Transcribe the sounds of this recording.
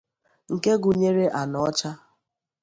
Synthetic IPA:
ŋ̩˨ke˦ɡʊ˨ɲe˦ɾe˦ʔa˨nɔ˨ɔ˦t͡ʃa˦

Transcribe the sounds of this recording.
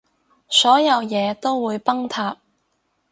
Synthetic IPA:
sɔː˨˥jɐ˨˧wjɛː˨˧t̪o˥wwuː˨˧jpɐ˥ŋt̪ʰaː˧p̚

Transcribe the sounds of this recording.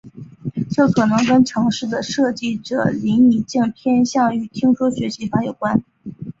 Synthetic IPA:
t͡ɕjo˥˩ʊkʰɤ˨˩nɤ˧˥ŋkə˥nʈ͡ʂʰɤ˧˥ŋʂɻ̩˥˩d̪ə˩ʂɤ˥˧t͡ɕi˥˩ʈ͡ʂɤ̰˨˩li˧˥ni˨˩t͡ɕɛ˥˩ŋp̪ʰjɛ˥nɕjɑ˥˩ŋy˨˩t̪ʰi˥ŋʂwɔ˥ɕɥɛ˧˥ɕi˧˥fa˥jo˨˩ʊkwa˥n

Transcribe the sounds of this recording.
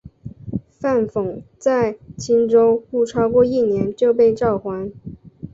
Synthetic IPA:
fa˥˩nfʊ˨˩˦ŋt͡sa˥˧ɪt͡ɕʰi˥nʈ͡ʂo˥ʊu˥˩ʈ͡ʂʰɑ˥ʊkwɔ˥˧i˥˩njɛ˧˥nt͡ɕjo˥˧ʊpe˥˧ɪʈ͡ʂɑ˥˩ʊxwa˧˥n

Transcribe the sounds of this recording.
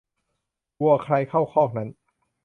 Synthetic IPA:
ku˧ɐkʰɾa˧jkʰa˥˩wkʰɔː˥˩k̚na˦˥n

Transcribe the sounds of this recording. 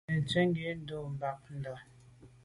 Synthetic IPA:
n̩˨t͡ʃɛ˦ŋ˦ɡe˨˦n̩˦do˨m̩˨ba˨k̚n̩˨dɔ˨

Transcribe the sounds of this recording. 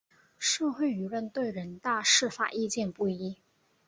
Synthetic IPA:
ʂɤ˥˧xwe˥˩ɪy˧˥ɻə˥˧nt̪we˥˩ɪɻə˧˥nt̪a˥˧ʂɻ̩˥˩fa̰˨˩i˥˧t͡ɕjɛ˥˧npu˥˩i˧˥

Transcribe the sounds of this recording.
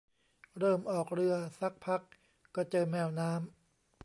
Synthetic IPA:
ɾɤː˥˩mʔɔː˨˩k̚ɾɯ˧ɐsa˦˥k̚pʰa˦˥kː | ɔː˧˩t͡ɕɤː˧mɛː˧wnaː˦˥m

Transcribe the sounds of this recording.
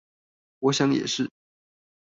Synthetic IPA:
wɔ˧˥ɕjɑ˧˥ŋjɛ̰˨˩ʂɻ̩˥˩

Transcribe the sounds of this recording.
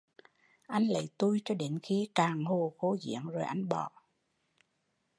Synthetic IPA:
ʔa˧jŋ̟lə̰˧˨jt̪u˧jt͡ɕɔ˧ɗe˨˦nxi˧kaː˨˩ŋho˨˩xo˨˦zḭ˧˥əŋzo˨˩jʔa˧jŋ̟ɓɔ̰˧˨

